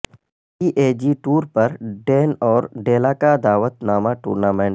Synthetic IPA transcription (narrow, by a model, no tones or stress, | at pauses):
iːʔeːd͡ʒiːʈuːɾpɐɾɖeːnɔːɾɖeːlaːkad̪aːʋət̪naːmaʈṵːɾnaːmẽːɳ